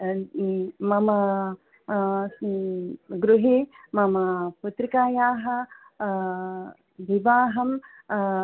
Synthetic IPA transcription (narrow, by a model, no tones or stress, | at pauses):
mɐmɐ | ɡɾuɦe | mɐmɐput̪ɾikaːjaːɦɐ | ʋiʋaːɦɐm